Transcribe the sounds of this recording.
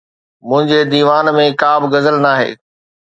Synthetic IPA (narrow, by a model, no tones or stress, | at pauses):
mʊ̃ɦɪ̃ɲd͡ʑed̪iːʋaːnmẽkaːbɪɡɐzəlnaːɦḛː